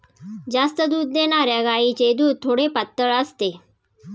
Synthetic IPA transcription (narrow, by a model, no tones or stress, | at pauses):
d͡zast̪əd̪uːd̪ːenaɾjaɡajit͡ɕed̪uːd̪̚t̪ʰːoɽepat̪ːəɭəst̪e